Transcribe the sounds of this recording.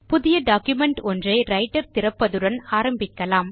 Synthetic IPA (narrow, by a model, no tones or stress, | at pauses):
pʊðɪjɐɖaːkjʊmɛɳʈɔndrɐɪɾɐɪʈːɐɾt̪ɪɾɐpːɐðɯɽɐnaːɾɐmbɪkːɐlaːm